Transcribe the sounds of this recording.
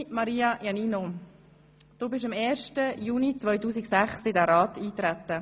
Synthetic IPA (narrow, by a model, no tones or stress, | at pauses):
mɑɾiːɑjɑnino | d̥oːbɪʃɑmeːɾʃtəjuːnit͡sʋœʏtuːsiksæχsɪdæːɾɑːtiːt̪ɾæt̪ːə